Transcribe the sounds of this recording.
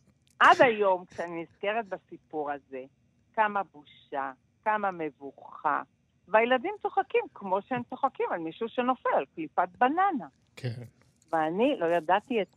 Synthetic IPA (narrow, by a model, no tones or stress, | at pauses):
ʔad̪ajo̞mkʃeaniniz̥ke̞ʁet̪̚basipuʁaze̞ | kamabuʃa | kamame̞vuχa̰ | vajeladimt͡soχakimkmo̞ʃeemtoχakimalmiʃuʃeno̞felalklipat̪̚banana | kʰen | veanilo̞jadatiet